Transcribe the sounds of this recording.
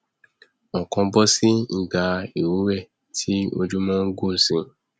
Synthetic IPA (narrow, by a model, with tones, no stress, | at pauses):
ɔ˨kɔ̃˧bɔ˦sĩ˦˨ɡa˧e˨wu˨˦wɛ˦˨ | tʰi˦o̰˧d͡ʒu˦mãː˦ɡo˦˨sĩ˧